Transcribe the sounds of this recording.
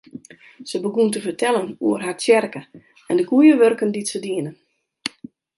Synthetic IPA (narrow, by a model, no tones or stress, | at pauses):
səbəɡuntəfərtʰɛlənuərɦart͡sjɛrkə | ɛndəɡujəʋørkənditsədiənə